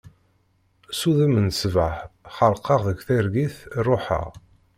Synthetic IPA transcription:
suðəmənsvəħχəlqɑʁðəɡʷθiɾɡiθrˤoħa̰ʁ

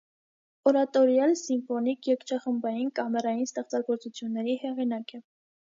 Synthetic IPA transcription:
ɔɾɑt̪ɔɾjɑlsimfɔnikjɛkt͡ʃʰɑχəmbɑjinkɑmɛɾɑjinst̪ɛχt͡sɑɡɔɾt͡sut͡sʰjunːɛɾihɛʁinɑkɛ

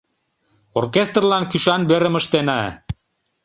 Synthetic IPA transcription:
orkʲest̪rlɑnkyʃɑnbĕɾə̆mə̆ʃt̪enɑ

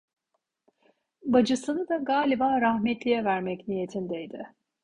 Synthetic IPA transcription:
bad͡ʒɯsɯnɯd̪aɡaːlʲibaːɾahmɛt̪lʲijɛvæɾmɛcnije̞t̪ʰind̪ejd̪ɪ

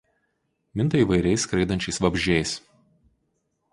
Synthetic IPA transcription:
mʲɪnt̪ɐiːˑʋɐɪɾʲɛɪskɾɐɪd̪ɐnʲt͡ʃʲɛɪsʋɐbʲʒʲɛɪs

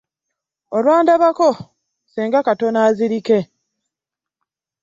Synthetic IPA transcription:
olwaːndaβako | seːŋɡakato̞naːziɾike̞

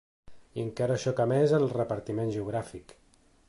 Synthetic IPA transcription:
iəŋkaɾəʃɔkamezəlˠrəpəɾt̪imenʒəuɣ̞ɾafik

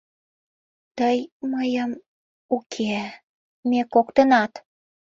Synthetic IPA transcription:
t̪əjməjəm | ukʰe | mekokt̪ənɑt̪

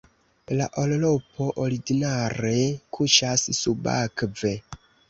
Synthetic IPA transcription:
laʔollo̞pʰo̞ʔoɾiɡinaɾe̞kʰuʃassuba̰kve

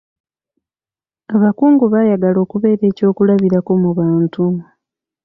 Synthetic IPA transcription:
aβakuːŋɡuβajaɡalo̞ːkuβe̞ːɾe̞ːco̞ːkulaβiɾako̞muβaːntu

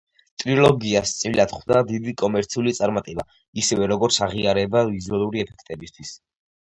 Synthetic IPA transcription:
t̪ʼɾilˠɔɡiast̪sʼilad̪χd̪ad̪id̪ikʼɔmɛɾt̪sʰiulit̪sʼaɾmat̪ʼɛba̰ | isɛvɛɾɔɡɔɾt̪sʰaʁiaɾɛbavizualˠuɾiɛpʰɛkʰt̪ʼɛbist̪ʰwis

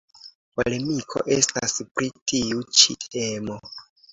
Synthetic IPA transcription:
po̰le̞mikʰo̞̰ʔe̞staspɾitiut͡ʃite̞mo̞

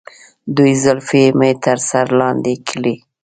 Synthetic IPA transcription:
d̪ujzʊlfemet̪ʰəɾsaɾlɑnd̪ekʰəli

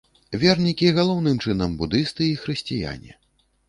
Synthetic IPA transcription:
vʲɛrnʲikʲiɣalˠɔwn̪ɨmt͡ʂɨnɐmbud̪ɨst̪ɨixɾɨsʲt͡sʲija̰nʲɛ̰

